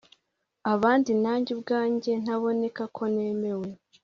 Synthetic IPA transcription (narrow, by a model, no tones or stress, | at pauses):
aβaːndinaːɲɟib̚ɡaːɲɟe̞n̥haβo̞ne̞kakʰo̞ne̞ːme̞we̞